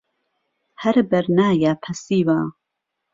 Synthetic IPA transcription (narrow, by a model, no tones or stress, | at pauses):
hɐɾbɐɾnaːjaːpʰɐsiːwa